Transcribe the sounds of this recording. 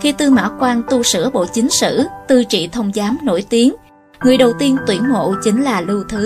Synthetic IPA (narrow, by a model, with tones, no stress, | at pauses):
xi˧t̪ɨ˧ma̰ː˧˥kwaː˧nt̪u˧sɨ̰˧˥əɓo̰˧˨t͡ɕï˨˦ŋ̟sɨ̰˧˥t̪ɨ˧t͡ɕḭ˧˨t̪ʰə˧wŋ͡mzaː˨˦mno̰˧˩jt̪i˨˦ən | ŋɨ˨˩əjɗə˨˩wt̪i˧ənt̪wi˧˩ənŋo̰˧˨t͡ɕi˨˦ŋ̟laː˨˩lɨ˧wt̪ʰɨ˨˦